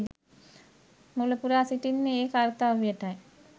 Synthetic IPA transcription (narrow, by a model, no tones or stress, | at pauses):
mulopuɾeasiʈinːeekaɾt̪aʋieʈae